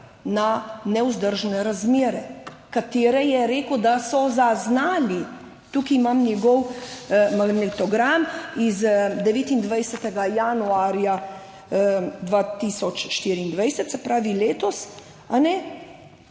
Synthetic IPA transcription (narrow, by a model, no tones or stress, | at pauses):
nanɛuzd̪əɾʒnɛɾazmeːɾɛkat̪eːɾɛjɛɾeːkod̪asɔzaznaːli | t̪ukimamnʲjɛɡɔw | maɡnɛt̪ɔɡɾamizd̪ɛʋeːt̪ind̪ʋajsɛt̪ɛɡajanuaːɾja | d̪ʋat̪isɔt͡ʃʃt̪iːɾiːnd̪ʋajsɛt̪sɛpɾaːʋileːt̪ɔs | anɛ